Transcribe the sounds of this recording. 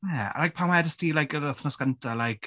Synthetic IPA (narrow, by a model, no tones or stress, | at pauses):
jɛa̰lajk̚pʰamaɛdəstiːlajkəɾəθnɔsɡ̥antʰalajkʰ